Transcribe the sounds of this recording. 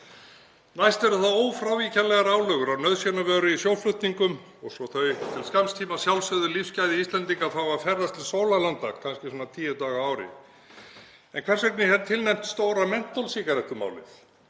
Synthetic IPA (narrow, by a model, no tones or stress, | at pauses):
najst̪ɛɾʏθaðoːwfɾawvicanlɛɣaɾaːwlœɣʏɾawnœɥðsjɛnavœːɾʏisjowlflʏht̪niŋkʏm | ɔɣsɔθœɥt̪ʰɪlskamst̪ʰiːmasjawlsœðʏlifscajðɪist̪lɛnt̪iŋkaθawafɛrːast̪ʰɪlsoːwlalant̪ːa̰ɣkʰanscɪsɔnat̪ʰiːjɛt̪aːɣaaːwɾɪ̰ | ɛnkʰv̥ɛrsɛknɪhɛnt̪ʰɪlnɛm̥t̪st̪oːwɾamɛn̥t̪ːɔlsiːkaɾɛht̪ʏma̰ːwlɪ̰θ